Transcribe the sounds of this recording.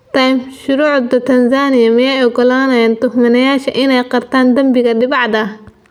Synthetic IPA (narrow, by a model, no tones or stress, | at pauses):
t̪ʰɐjmʃʊɾuːʕd̪ɐt̪ʰɐnsaːnɪjɐmɪjɛjɔɡɔlaːnɐjaːnt̪ʊhmɐnɐjaːʃɐʔɪnɛjqɑrt̪ʰaːnd̪ɐmbɪɣɐɖɪβɑʕd̪ɐ